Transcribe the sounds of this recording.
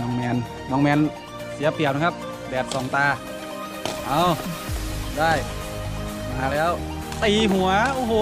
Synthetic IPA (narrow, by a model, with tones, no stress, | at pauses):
nɔː˧˩ŋmɛː˧n | nɔː˧˥ŋmɛː˧n | si˨˩˦ɐpi˨˩əwn˧˥kʰa˧˥p̚ | dɛː˨˩t̪̚sɔː˨˩˦ŋt̪aː˧ | ʔa˧˩w | daː˥˩j | maː˧lɛː˧˥˩w | t̪iː˧˩ɦu˨˩˦ɐʔoː˧ɦoː˧˦